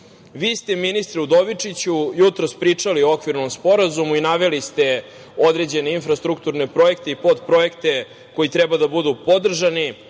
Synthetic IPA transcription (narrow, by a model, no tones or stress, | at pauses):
ʋiːst̪eminist̪ɾɛud̪o̞ʋit͡ʂit͡ɕujut̪ɾospɾiːt͡ʂaliookʋiɾnomspo̞ɾazumuinaʋe̞list̪e̞ | o̞d̪ɾe̞d͡ʑe̞ne̞infɾast̪ɾukt̪uɾne̞pɾo̞e̞kt̪eipo̞d̪pɾo̞je̞kt̪e̞ | ko̞jit̪ɾɛbad̪abud̪upo̞d̪r̩ʒani